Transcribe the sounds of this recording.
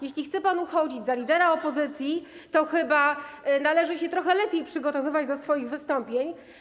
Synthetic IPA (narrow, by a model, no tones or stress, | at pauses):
jeɕlʲixt̪sɛpanuxɔd͡ʑid͡ʑzalʲid̪ɛɾaɔpɔzɘt̪sʲjit̪ɔxɘbanalɛʐɘɕɛt̪ɾɔxɛlɛpʲjejpʂɘɡɔt̪ɔvɘvad͡ʑd̪ɔsfɔjiɣvɘst̪ɔmpʲjeɲ